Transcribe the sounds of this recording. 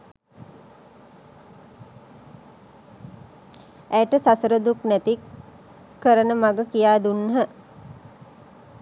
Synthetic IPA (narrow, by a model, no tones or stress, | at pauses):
æjəʈəsasəɾəd̪uknæt̪ikː | əɾənəmaɡəkijaːd̪unːɦə